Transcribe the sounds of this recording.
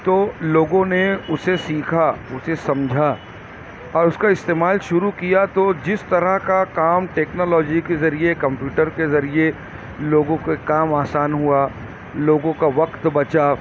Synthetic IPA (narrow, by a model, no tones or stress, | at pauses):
t̪oːloːɡõneʊsesiːkʰaʊsesɐ̃md͡ʒʱa | ɔːɾʊskaɪst̪eːmaːlʃʊɾukijat̪od͡ʒɪst̪ɐɾəɦkakaːmʈɛːknɔːlɔːd͡ʒikezɐɾiekɐ̃mpjuːʈəɾkezɐɾie | loːɡõkekaːmaːsaːnɦua | loːɡõkaʋɐqt̪bɐt͡ʃa